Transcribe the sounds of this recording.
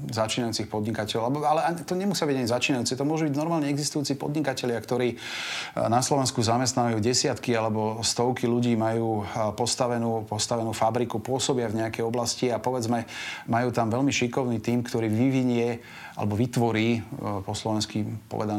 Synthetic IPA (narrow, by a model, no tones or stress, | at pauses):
zat͡ʃiːnajuːt͡sixpɔd̪ɲikacɛlɔlɛbalɛaɲt̪ɔɲɛmusɪabiɟaɲizat͡ʃiːnajuːt͡sɛt̪ɔmʊɔʒubiɟnɔɾmaːlɲɛɛɡzist̪ujuːt͡sipɔ̰d̪ɲikacɛʎɪakt̪ɔɾiː | naslɔʋɛnskuzamɛs̬t̪naʋajuːɟɛsɪat̪kialɛbɔst̪ɔʊkiluɟiːmajuːpɔst̪aʋɛnuːpɔst̪aʋɛnuːfabɾikupʊɔsɔbɪavɲɛakɛjɔblasciapɔʋɛd͡zmɛmajuːt̪amʋɛʎmiʃikɔʊniːt̪iːmkt̪ɔɾiːʋiʋiɲɪɛ | a̰lɛbɔʋit̪ʋɔɾiːpɔslɔʋɛnskipɔ̰ʋɛ̰d̪an